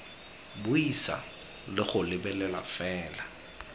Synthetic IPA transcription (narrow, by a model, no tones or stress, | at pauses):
bʊisa̰ | lɪχʊlɪbɛlɛla̰fɛːla